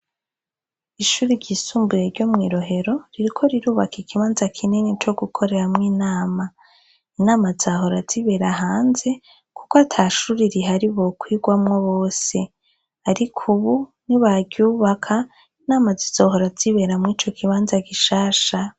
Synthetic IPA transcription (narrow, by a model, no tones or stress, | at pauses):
iʃuːɾiɾɟisuːmbuje̞ɾɟo̞mŋiɾo̞ɦe̞ɾo̞ɾiɾikʰo̞ɾiɾuːβakikiβaːnzakʰinenet͡ʃo̞ɡukʰo̞ɾe̞ɾamŋiːnaːma | inaːmazaːho̞ɾaz̥iβe̞ɾaɦaːnze̞ | ku̥koatʰaːʃuɾiɾiɦaɾiβo̞kwiːɡwamŋoβoːse̞ | aɾikʰuβuniβaɟɟuːβakʰa | inaːmazizo̞ːɦo̞ɾaz̥iβe̞ɾamŋiːt͡ʃo̞kʰiβaːnzaɡiʃaːʃa